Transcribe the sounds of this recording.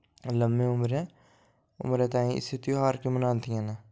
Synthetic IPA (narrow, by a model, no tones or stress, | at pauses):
ləmːẽːʊmɾe | ʊ̰mɾẽːt̪aːĩɪ̰st̪ʰit̪iõɦaːɾkemənaːnt̪ʰiãːnaː